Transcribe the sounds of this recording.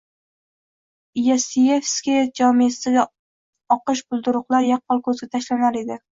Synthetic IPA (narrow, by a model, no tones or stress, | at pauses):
jasiefskʲed͡ʒɒmiast̪ɡʲa | ɒqɨʃ̬bʊlˠd̪ʊɾʊqlˠaɾjɑq̚ʰːɒlˠkʰɵzɡʲat̪ʰaʃlanaɾe̞d̪ɪ